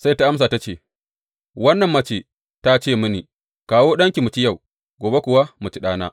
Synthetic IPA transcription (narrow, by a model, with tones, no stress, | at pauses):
sa˦jta˦ʔa˦ms̬aː˨ta˦t͡ʃeː˦˨ | wɐ˦nːɐ˨mːɐ˦t͡ʃeː˨ | ta˦t͡ʃeː˦˨mʊ˦niː˨ | kaː˨woː˦ɗɐ˦ŋkʲi˨mʊ˨t͡ʃi˦ja˦˨w | ɡʷoː˨be˦kʷʊ˨wa˦mu˨t͡ʃi˦ɗaː˦na̰ː˦